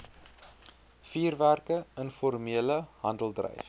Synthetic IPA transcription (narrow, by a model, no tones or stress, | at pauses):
fiːrværkəənfɔrmiələɦɐndəlˠdrə̰jf